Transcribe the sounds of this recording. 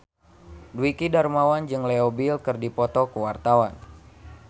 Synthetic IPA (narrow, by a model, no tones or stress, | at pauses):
dwikidarmawand͡ʒɨŋleobilkɨrdipɔt̪ɔkuwart̪awan